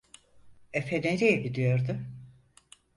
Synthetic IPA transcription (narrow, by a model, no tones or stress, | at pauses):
efeneɾijɛɟid̪ijo̞ɾd̪ʊ